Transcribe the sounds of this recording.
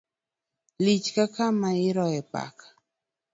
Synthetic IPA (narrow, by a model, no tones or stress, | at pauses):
lit͡ʃkakamaɪɾɔɛpa̰kḁ